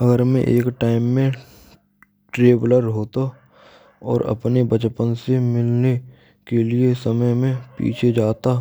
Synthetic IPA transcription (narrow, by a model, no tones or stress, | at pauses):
ɐɡəɾmḛ̃ʔeːkʈaːɪmːẽ | ʈɾeːbləɾɦoːt̪a | ɔ̰ːɾɐ̰pnebət͡ʃpənsemɪlne | keliesɐməjmẽpḭːt͡ʃʰed͡ʒaːt̪a